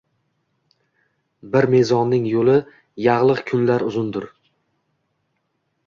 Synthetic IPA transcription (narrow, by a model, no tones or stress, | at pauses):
bɪɾme̞zɒnːɪŋjolɪ | jɑʁlˠɨqkʲʰʊnlaɾʊzʊnd̪ʊɾ